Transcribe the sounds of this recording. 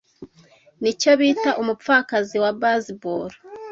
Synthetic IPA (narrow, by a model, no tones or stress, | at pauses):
nico̞βiːtaʔomup̪faːkaziwabazibuɾ